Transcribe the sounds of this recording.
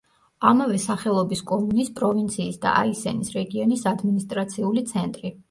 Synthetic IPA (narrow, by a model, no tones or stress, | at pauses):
amavɛsaχɛlˠɔbiskʼɔmunispʼɾɔvint̪sʰiːsd̪a̰ʔa̰isɛ̰nisɾɛɡiɔnisad̪minist̪ʼɾat̪sʰiulit̪sʰɛnt̪ʼɾi